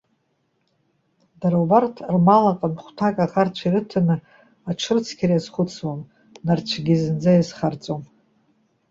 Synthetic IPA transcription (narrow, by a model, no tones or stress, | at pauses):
daɾabartʰrmalaqʼanχʷtʰakʼaʁart͡ɕʷʰiɾɨtʰanɨ | aʈ͡ʂʰɨrt͡sʰkʲʰaɾajazχʷʊt͡sʰwam | nart͡ɕʷʰɡʲizɨnd͡zajizχart͡sʼom